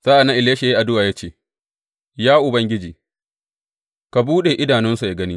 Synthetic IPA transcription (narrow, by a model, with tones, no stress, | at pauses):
saː˦ʔa˨nːa˦ʔɪ˨leː˦ʃe˨ji˦ʔa˨dʊ˦waː˨ja˦t͡ʃeː˦˨ | jaː˦ʔʊ˨bɐ˦ŋɡʲɪ˦d͡ʒiː˨ | ka˨buː˦ɗeː˨ʔɪ˦daː˨nɪ˦nsu˨ja˨ɡɐ˦ni˦